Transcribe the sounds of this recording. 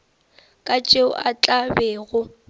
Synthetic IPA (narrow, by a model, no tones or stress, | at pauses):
kʼat͡ʃʼeʊʔat͡ɬʼabɛːɣʊ